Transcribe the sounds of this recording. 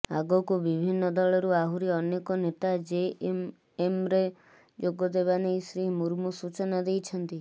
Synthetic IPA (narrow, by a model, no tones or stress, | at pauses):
aɡɔkubibʱinːɔd̪ɔɭɔɾuaɦuɾiɔnekɔnet̪ad͡ʒe | emɾe | d͡ʒoɡɔd̪eβanejsɾiɦmuɾmusut͡ʃɔnad̪ejt͡ʃʰɔnt̪i